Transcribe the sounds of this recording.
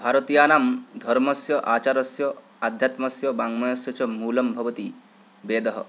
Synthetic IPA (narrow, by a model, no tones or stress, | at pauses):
bʱaɾɔt̪ijanamd̪ʱɔɾmɔsjɔʔaːt͡ʃaɾɔsjɔ | ad̪ʱjat̪mɔsjɔbaŋmɔjɔsjɔt͡ʃʰɔmuːlɔmbʱɔbɔt̪i | beːd̪ɔɦɔ̰